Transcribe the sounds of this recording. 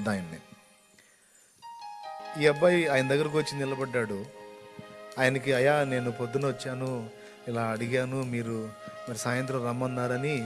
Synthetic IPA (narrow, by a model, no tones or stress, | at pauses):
d̪aːjɐnɐne | iːɐbːɐjaːjɐnɐd̪ɐɡːɐɾɐk̬iʋɐt͡ʃːinnɪlɐbɐɖːaːɽu | aːjɐnɐkiɐjaːne̞ːnupod̪ːunuʋɐt͡ʃːaːnu | ilaːɐɽiɡaːnumiːɾumɐɾisaːjɐnt̪ɾɐmɾɐmːɐnːaːɾɐni